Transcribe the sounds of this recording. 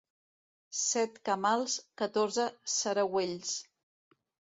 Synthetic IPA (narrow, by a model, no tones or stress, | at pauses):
sɛt̪kəmalˠskət̪oɾzəsəɾəweʎs